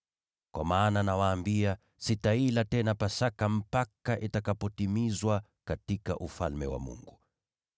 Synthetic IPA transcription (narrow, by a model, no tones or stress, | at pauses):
kwʔa̰maːnanawaːmbia | sitailatɛnapasakam̩pakaʔitakapɔtimizwa | katika̰ʔufalmɛ̰wa̰mṵŋɡu